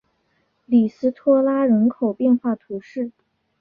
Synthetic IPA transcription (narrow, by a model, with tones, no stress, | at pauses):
li˨˩sɹ̩˥t̪ʰwɔ˥la˥ɻə˧˥nkʰo˨˩ʊpjɛ˥˧nxwa˥˩t̪ʰu˧˥ʂɻ̩˥˩